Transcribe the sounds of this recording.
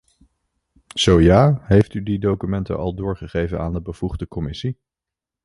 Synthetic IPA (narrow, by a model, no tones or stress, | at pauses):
z̥owjaːɦejftydidowkymɛntə̰nʔɑ̰lˠdʊːɹχəχejvə̰naːndəbəv̥uχdəkɔmɪsi